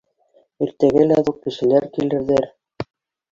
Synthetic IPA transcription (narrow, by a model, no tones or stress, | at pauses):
iɾt̪æɡælæðuq̚kɘ̆ʃɘ̆læɾkilɘ̆ɾðɘɾ